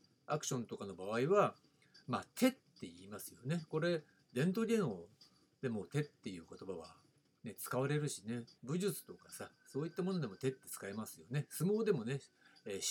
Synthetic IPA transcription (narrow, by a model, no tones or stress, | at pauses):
akɯ̟ɕõ̞nt̪o̞kano̞baβ̞aiβa | maːt̪ʰe̞t̪ːe̞iːmasɨjo̞ne̞ko̞ɾe̞ | d̪ẽ̞nt̪̬o̞ɡʲeno | d̪e̞mo̞t̪e̞t̪ːe̞jɯ̟ːko̞t̪o̞baβ̞a̰ | ne̞t͡sɨ̥kaβaɾe̞ɾɯ̟ɕine̞bɯ̟ʑɨt͡sɨ̥t̪o̞kasa | so̞ːit̪ːamo̞nod̪e̞mo̞t̪e̞t̪ːe̞̥t͡sɨ̥kaemasɨjo̞ne̞sɨmo̞ːd̪e̞mo̞ne̞ː